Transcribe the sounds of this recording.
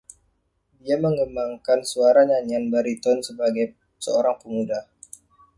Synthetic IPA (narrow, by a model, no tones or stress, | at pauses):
diaməŋɡəmbaŋkansuaɾaɲaɲanbaɾit̪ɔnsəbaɡaj | səoɾaŋpəmudah